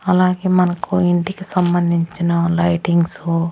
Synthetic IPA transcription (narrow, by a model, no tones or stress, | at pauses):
ɐlaːɡeːmɐnɐkuiɳʈikesɐmbɐnd̪ʱiɲt͡ʃinɐlɐjʈiŋɡsu